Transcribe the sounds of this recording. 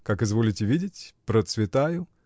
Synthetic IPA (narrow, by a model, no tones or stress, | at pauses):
kakɨzvolʲɪtʲɪvʲidʲɪtʲpɾət̪svʲɪt̪ajʊ